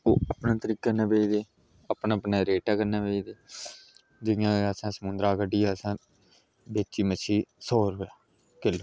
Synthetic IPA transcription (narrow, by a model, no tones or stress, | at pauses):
oːəpnãːt̪əɾiːkːənaːbeːid̪eː | apnãːpnaːɾeːʈaːkəɾnaːbeːid̪eː | d͡ʒɪjãːəsãːsəmʊnd̪ɾaːkəɖiːaːsãː | beːt͡ʃːiːmət͡ʃʰiːsoːɾɦojaː | keloː